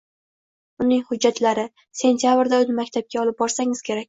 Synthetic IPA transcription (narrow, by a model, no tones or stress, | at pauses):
ʊnɪŋhʊd͡ʒːat̪laɾɪ | se̞nt̪ʰijabɾd̪aʊlmakʲt̪ʰap̚kʲaɒlɪp̚bɒɾsaŋɪz̥kʲʰe̞ɾakʲ